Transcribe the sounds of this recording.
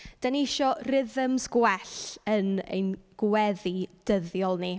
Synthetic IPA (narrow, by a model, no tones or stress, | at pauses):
d̥aniɪʃɔrɪðəmsɡwɛɬənḛjnɡ̥wɛðid̥əðjɔlˠni